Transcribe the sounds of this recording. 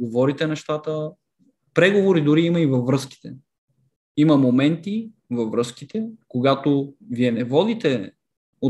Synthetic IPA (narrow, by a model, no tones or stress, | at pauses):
ɡovɔɾit̪ɛnɛʃt̪at̪ə | pɾɛɡovoɾid̪ʊɾiimɐivɐvːɾɤsk̟i̥t̪ɛ | imɐmomɛnt̪i | vɐvɾɤsk̟it̪ɛkoɡat̪oviɛnɛvɔd̪it̪ɛ | o